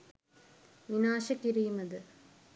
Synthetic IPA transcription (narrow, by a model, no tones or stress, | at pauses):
ʋinaːɕɐkːiɾijumɐðɨ